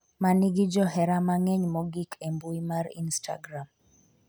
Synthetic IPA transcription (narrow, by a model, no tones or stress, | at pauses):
manɪɡid͡ʒɔɦɛɾamaŋɛɲmɔɡikʰembuimaɾḭnsta̰ɡɾam